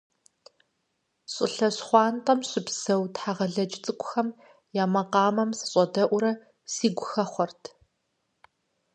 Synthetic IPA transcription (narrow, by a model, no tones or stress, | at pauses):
ɕʼɪ̰ɬɐɕχʷɑːntʼɐmɕɪpsɐwtħaʁɐɮɐt͡ʃʼɪt͡sʼɨkʷʼʊxɐm | jaːmɐqɑːmɐmsɨ̥ɕʼɐdɐʔʷʊɾɐ | siːɡʷʊxɐχʷɔrtʰ